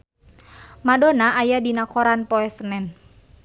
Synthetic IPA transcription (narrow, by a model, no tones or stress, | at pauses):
madɔnaʔajadinakɔɾanpɔɛsənɛn